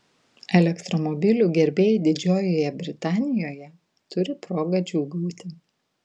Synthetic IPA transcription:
ɛlʲɛkt̪ɾɔmɔbʲɪlʲuːɡʲɛɾʲbʲeːjd̪ʲɪd͡ʒʲoːjoːjɛbʲɾʲɪt̪ɑːnʲɪjoːjɛ | t̪ʊɾʲɪpɾoːɡɐd͡ʒʲuːɡuːt̪ʲɪ

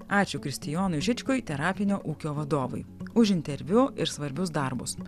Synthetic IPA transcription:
ɑːt͡ʃʲʊkɾʲɪsʲt̪ʲɪjoːnʊɪʒʲɪt͡ʃʲkʊɪt̪ʲɛɾɑːpʲɪnʲoːʔuːkʲoːʋɐd̪oːʋɐ̰ɪʊʃʲɪnʲt̪ʲɛɾʲʋʲʊɪɾsʋɐɾʲbʲʊsd̪ɐɾbʊs

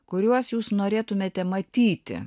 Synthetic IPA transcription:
kʊɾʲuɔsjuːsnoːɾʲeːt̪ʊmʲeːt̪ʲɛmɐt̪ʲiːt̪ʲɪ̰

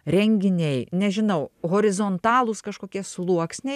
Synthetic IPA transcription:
ɾʲɛŋʲɡʲɪnʲɛɪnʲɛʒʲɪnɐʊɣoːɾʲɪzoːnt̪ɑːlˠʊskɐʃkoːkʲiɛsʊlˠuɔksʲnʲɛɪ

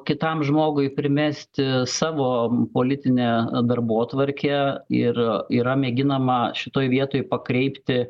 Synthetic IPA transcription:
kʲɪt̪ɐmʒmoːɡʊɪpʲɾʲɪmʲæsʲt̪ʲɪsɑːʋoːpoːlʲɪt̪ʲɪnʲɛːd̪ɐrboːt̪ʋɐɾʲkʲɛɪriːɾɐmʲeːɡʲɪnɐmɐʃʲɪt̪oːjʋʲiɛt̪oːjpɐkɾʲɛɪpʲt̪ʲɪ

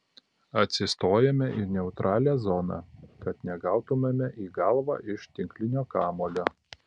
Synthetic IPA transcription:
ɐt̪ʲsʲɪst̪oːjɛmʲɛʔɪnʲɛʊt̪ɾʔɑːlʲæːzɔnɑ̰kɐt̪nʲɛɡɑˑʊt̪ʊmʲemʲɛʔiːɡɑlˠʋɑ̰ːʔɪʃt̪ʲɪŋʲklʲɪnʲoːkɑːmoːlʲoː

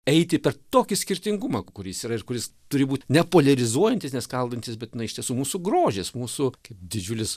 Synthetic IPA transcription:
ɛɪt̪ʲɪpʲɛrt̪oːkʲɪsʲkʲɪɾʲt̪ʲɪŋɡʊmɐkʊɾʲsiːɾɐɪrkʊɾʲɪst̪ʊɾʲɪbuːt̪ʲnʲɛpoːlʲɛɾʲɪzuɔjɛnʲt̪ʲɪsnʲɛskɐlˠd̪ɐnʲt̪ʲɪsbʲɛt̪ʲɪnɐɪʃt̪ʲiɛsuːmuːsuɡɾoːʒʲesmuːsʊkɐɪpd̪ʲɪd͡ʒʲʊlʲɪs

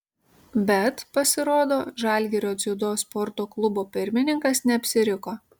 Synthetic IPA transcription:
bʲɛt̪pɐsʲɪɾoːd̪oːʒɑˑlʲˑɡʲɛɾʲoːt̪sʲɪd̪oːspɔɾt̪oːklˠʊboːpʲɪɾʲmʲɪnʲɪŋkɐsnʲɛɐpʲsʲɪɾʲɪkoː

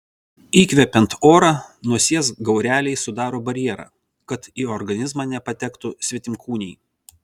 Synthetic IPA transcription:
iːkʋʲɛpʲɛnt̪oːɾɑːnʊɔsʲiɛsɡɐʊɾʲæːlʲɛɪsʊd̪ɑːɾoːbɐɾʲjɛɾɑ̰ː | kɐt̪iːɔɾɡɐnʲɪzmɑːnʲɛpɐt̪ʲɛkt̪ʊsʲʋʲɛt̪ʲɪmkʰuːnʲɛɪ

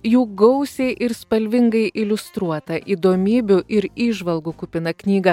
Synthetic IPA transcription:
juːɡɐʊsʲɛɪʔɪɾspɐlʲʋʲɪŋɡɐɪʔɪlʲʊst̪ɾuɔt̪ɐʔiːd̪oːmʲiːbʲʊʔɪɾiːʒʋɐlˠɡuːkʊpʲɪnɐknʲiːɡɐ

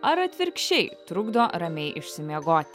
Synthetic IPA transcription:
ɐɾɐt̪ʲʋʲɪɾkʃʲt͡ʃʲɛɪt̪ɾʊɡd̪oːɾɐmʲɛɪʔɪʃʲsʲɪmʲiɛɡoːt̪ʲ

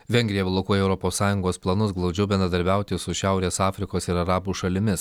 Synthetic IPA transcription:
ʋʲɛŋʲɡʲɾʲɪjɛblˠokuɔjɛʊɾɔpoːsːɑːjʊŋɡoːsplˠɐnʊsɡlˠɒʊd͡ʒʲɛʊbʲɛnɾɐd̪ɐɾʲbʲæˑʊt̪ʲɪsʊʃʲæˑʊɾʲeːsɑːfʲɾʲɪkoːsɪɾɐɾɑːbuːʃɐlʲɪmʲɪs

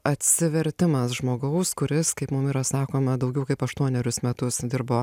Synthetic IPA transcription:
ɐt̪ʲsʲɪʋʲɛɾʲt̪ʲɪmɐsʒmoːɡɐʊskʊɾʲɪskɐɪpmʊmiːɾɐsɑːkoːmɐd̪ɐʊɡʲɛʊkɐɪpɐʃt̪uɔnʲɛɾʲʊsmʲɛt̪ʊsd̪ʲɪɾboː

